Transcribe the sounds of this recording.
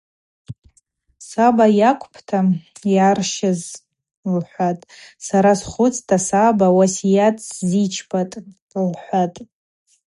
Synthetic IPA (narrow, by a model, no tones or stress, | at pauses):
sabajakʷʰʼpʰtʰajarʃɪz | lħʷatʼsaɾasχʷʊt͡sʰʼtʰasabawasijatʰʼzit͡ʃʰbatʼ | lħʷatʼ